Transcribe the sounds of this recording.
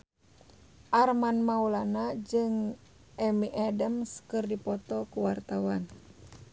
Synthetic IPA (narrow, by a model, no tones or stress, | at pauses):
ʔarmanmaulanad͡ʒɨŋ | ʔɛmiʔadəmskɨrdipɔt̪ɔkuwart̪awan